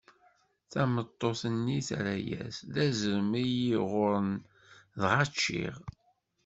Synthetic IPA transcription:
θæmət̪ˤːoθənːiθɾæjæ̰sðæzəɾmijiʁʊɾən | ðʁat͡ʃːḭʁ

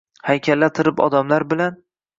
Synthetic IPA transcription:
hajkʲʰalːat̪ʰɪɾɪpɒ̰d̪amlaɾbɪlan

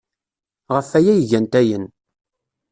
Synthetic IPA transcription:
ʁəfæjæjʝænt̪æjən

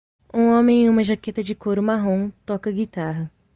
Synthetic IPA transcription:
ũõmẽj̃ũmɐʒaket̪ɐd͡ʒɪkoɾʊmaɦõw̃t̪ɔkɐɡit̪aɦɐ

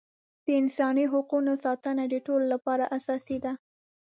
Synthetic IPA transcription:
d̪̥əɪnsɑniɦʊqunosɑt̪ənad̪əʈololapɑɾaʔasɑsid̪a

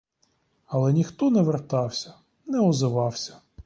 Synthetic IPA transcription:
ɐlˠɛnʲixt̪ɔnɛʋert̪ɑwsʲɐ̥ | nɛɔzɪʋɑwsʲɐ̥

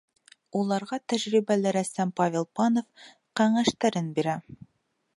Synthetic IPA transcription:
ulˠɑɾʁɑt̪æʑɾibælɘɾæsæmpavʲelˠpɑnof | qæŋæʃt̪æɾɘnbiɾæ

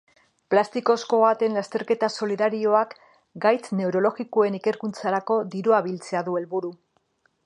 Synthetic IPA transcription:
plast̪iko̞sko̞βat̪e̞nlast̪e̞ɾke̞t̪aso̞liðaɾio̞ak | ɡajt͡sne̞uɾo̞lo̞ɣikoe̞nike̞ɾkunt͡saɾako̞d̪iɾoaβilt͡se̞aðue̞lβuɾu

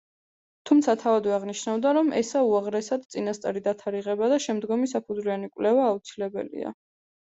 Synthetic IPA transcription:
t̪ʰumt̪sʰat̪ʰavad̪vɛaʁniʃnavd̪aɾɔmɛsauaʁɾɛsad̪t̪sʼinast̪sʼa̰ɾid̪at̪ʰaɾiʁɛbad̪aʃɛmd̪ɡɔmisapʰud̪zlianikʼwlɛvaːut̪sʰilɛbɛ̰lḭa̰

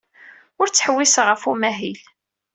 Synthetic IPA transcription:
ʊɾt͡sːə̥ħwːisʁəfumæɦil

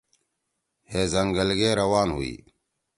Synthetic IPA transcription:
heːzəŋɡəlɡeːɾəwaːnɦṵḭː

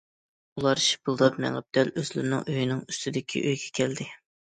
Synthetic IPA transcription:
ulˠɑɾʃi̥bɨlˠd̪ɑpmɛ̰ŋɛp̚d̪̥ɛløzlɪ̰ɾnɪ̰ŋøjinɪŋyst̪ʰɪd̪ɪkʲʰḭʔøjɡʲɛkʲʰæld̪ɪ

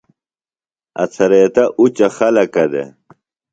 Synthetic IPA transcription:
ɐ̰t͡sʰɐɾeːt̪ɐʔut͡ɕɐxɐlɐkɐd̪ḛ

